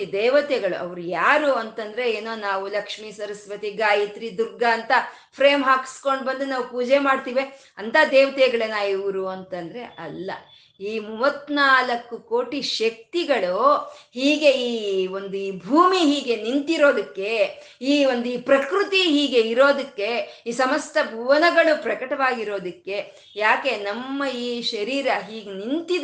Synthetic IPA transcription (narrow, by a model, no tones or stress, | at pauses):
id̪ɛːʋɐt̪ɛɡɐɭṵʔɐ̰ʋɐɾujaːɾuɐnt̪ɐnd̪ɐɾe̞eːnoːnaːʋulɐkʂmisɐɾɐsʋɐt̪iɡaːjit̪ɾid̪uɾɡaːnt̪ɐ | pʰɾeːmɦaːki̥sko̞ɳɖbɐnd̪unaːʋupuːd͡ʒemaːɖt̪iːʋe | ɐnt̪ʰaːd̪ɛːʋɐt̪ɛɡɐɭenaːjiʋɐɾuɐnt̪ɐnd̪ɐɾe̞ʔɐlːɐ̰ | iːmuʋɐt̪ːnaːlɐkːukoːʈiʃɐk̚t̪iɡɐɭuhiːɡe̞iːo̞nd̪uiːbʱuːmiɦiːɡe̞nint̪iɾo̞ːd̪ɐkːe̞ | iːo̞nd̪uiːpɾɐkɾut̪iɦiːɡe̞iɾo̞ːd̪ɐkːe̞iːsɐmɐst̪ʰɐbʱuːʋɐnɐɡɐɭupɾɐkɐʈɐʋaːɡiɾo̞ːd̪ɐkːe̞ | jaːke̞nɐmːɐiːʃɐɾiːɾɐɦiːɡenint̪id̪